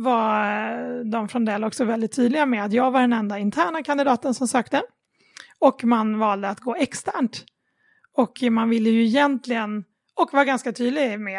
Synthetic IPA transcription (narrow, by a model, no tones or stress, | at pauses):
va | d̪ɔmfɾɔnd̪ɛlɔksɔvɛld̪ɪt̪ʰːyːd̪lɪɡamɛat̪jɑːɡvaɖɛnɛnd̪aɪnt̪ʰæːɳakʰand̪ɪd̪ɑːt̪ənsɔmsøːkt̪ə | ɔkmanvɑːld̪əat̪ɡoːɛkst̪ʰæːɳʈ | ɔkmanvɪlːəjɵɪjɛnt̪lɪɡən | ɔkːvaɡanskat̪ʰyːd̪lɪɡmɛ